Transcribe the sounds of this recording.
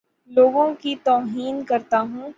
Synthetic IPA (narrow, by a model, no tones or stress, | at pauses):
loːɡõkit̪ɔːɦiːnkɐɾt̪aɦũː